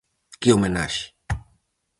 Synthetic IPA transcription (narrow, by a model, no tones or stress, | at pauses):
kiomenaɕi̥